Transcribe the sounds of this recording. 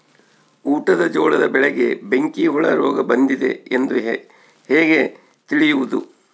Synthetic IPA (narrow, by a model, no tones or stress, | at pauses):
uːʈɐd̪ɐd͡ʒɔːɭɐd̪ɐbɛɭɛɡe̞̰be̞ŋkiɦuɭɐɾɔːɡɐbɐnd̪id̪e̞̰end̪u | heːɡe̞ | t̪iɭijuʋud̪u